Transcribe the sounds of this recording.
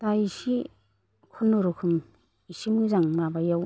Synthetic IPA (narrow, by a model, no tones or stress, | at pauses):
taisi | kʰɔnːɔɾukʰum | isimɯzaŋmabajaw